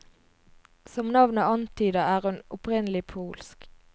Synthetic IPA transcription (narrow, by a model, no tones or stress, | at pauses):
sɔmnɑʋnəɑnt̪ʰyːd̪əæːʁhʉnʊpʁɪnəlɪpʰuːlsk